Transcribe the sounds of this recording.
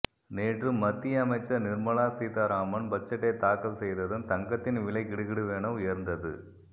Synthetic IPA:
neːʈrɯmːɐt̪ːɪjɐmɐɪt͡ʃːɐɾnɪɾmɐɭaːsiːt̪aɾaːmɐnbɐt͡ʃːɐʈːeːt̪aːkɐlsɛjðɐðɯnt̪ɐŋɡɐt̪ːɪnʋɪlɐɪkɪɽɯɣɪɽɯʋeːɳɐʊjɐɾnd̪ɐðɯ̰

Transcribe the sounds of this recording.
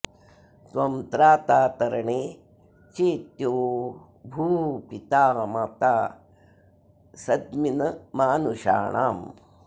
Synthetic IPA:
t̪ʋɐmt̪ɾaːt̪aːt̪ɐɾɐɳeː | t͡ʃeːt̪joː | bʱuːpit̪aːmat̪aː | sɐd̪minɐmaːnuʃa̰ːɳa̰ːm

